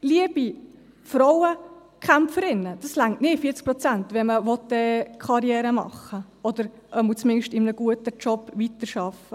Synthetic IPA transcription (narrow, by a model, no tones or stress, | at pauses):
liəb̥i | fɾɔwə | kχæmfəɾɪnːəd̥ɑslæŋtnɪfiːət͡sk̚pɾɔt͡sæntʋɛməʋɔt̚dɛkʰχɑɾjɛːɾəmɑ̰χːə | ɔd̪əɾʔəmut͡smɪnʃtɪmənəɡ̥uətət͡ʃɔpːʋitəɾʃɑfə